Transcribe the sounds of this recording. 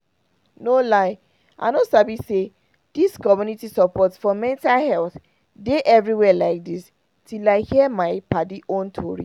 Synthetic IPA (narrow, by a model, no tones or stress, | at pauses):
nolaɪ | ʔa̰ɪnosabise | d̥iskɔmjunitisɔpɔtfɔmɛ̃ntalhɛlθ | deʔɛvɹiwɛlaɪk̚dis | tilaɪhiɛmaɪpadiʔõntʰɔɹḭ